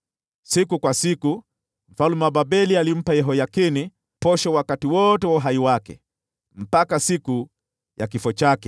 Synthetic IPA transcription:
sikukwasiku | m̩falumababɛlialim̩pajɛɦɔjakini | pɔʃɔwakatiwɔtɛwaɦaiwakɛ̰ | m̩pakasiku | jakifɔt͡ʃakɛ

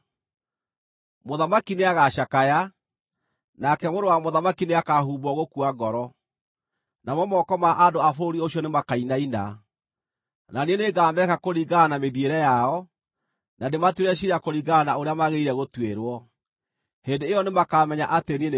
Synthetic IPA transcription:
moðamakineaɣaʃakaja | nakɛmoɾowamoðamakineakaɦuːbɔɣokuaɡɔɾɔ | namɔmɔkɔmaʔadoafoɾioɕjɔnemakainaina̰ | nanieneɡaːmbɛkakoɾiɡanameðieɾɛjaɔ | nadematweɾɛɕ̬iɾakoɾiɡanaoɾeamaɣeiɾɛɣotweɾwɔ | hendeːjɔnemakamɛɲaʔatenien

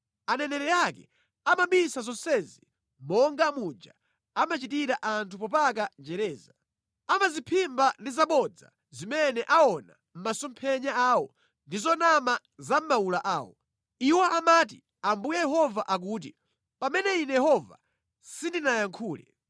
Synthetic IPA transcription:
anɛnɛɾɛjakɛ̰ | amaɓisazɔnsɛzi | mɔŋɡamud͡ʒa | amat͡ʃitiɾaʔantʰupɔp̬ak̬ad͡ʒɛɾɛːza | amazipʰimbandizaɓɔd͡za̰ | zimɛnɛʔaɔna | m̩masɔmpʰɛɲaaːwɔ | ndizɔnama | zam̩maulaʔaːwɔ̰ | iwaʔamaːt̬ḭ | ambujɛjɛɦɔvaʔak̬uːt̬ḭ | pamɛnɛinɛjɛhɔva̰ | sindinajaŋkʰuːlɛ̰

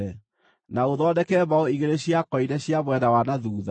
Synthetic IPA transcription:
ɛ | naoðɔdɛkɛβaɔiɣeɾeɕjakɔinɛɕjaβwɛdawanaðuːða

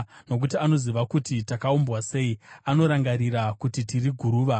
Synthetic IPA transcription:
no̞k̬utiano̞ziʋakutitakaumbwase̞iano̞ɾaŋɡaɾiɾakutitiriɡʱuɾuːʋa

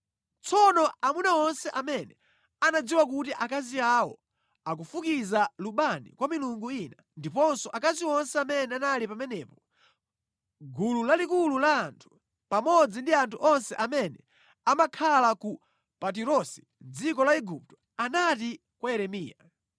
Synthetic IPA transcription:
t͡sɔnɔamunaɔnsɛʔamɛnɛ | anad͡ziwakutiʔakaziawɔ̰ | ak̬ufukizaluɓanḭkwamiluŋɡuina | ndipɔnsɔʔakaziwɔnsɛamɛnɛanalipamɛnɛːpɔ | ɡululalikululaːntʰu̥ | pamɔd͡zindiantʰuʔɔnsɛʔamɛnɛ | amakʰalaku | pat̬iɾɔsi̥ | d͡zikɔlaiɡup̚tɔ̥ | anati | kwaɛɾɛmiːja

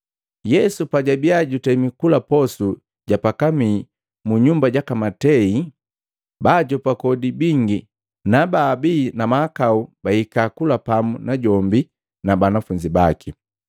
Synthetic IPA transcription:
jɛsupaɟabiaɟutɛmikulapɔsu | ɟapakami | muɲumbaɟakamatɛi | baɟɔpakɔdibiŋɡi | nabaːbiːnamaːkaubahikakulapamunaɟɔmbi | nabanafuɲd͡ʒibaki

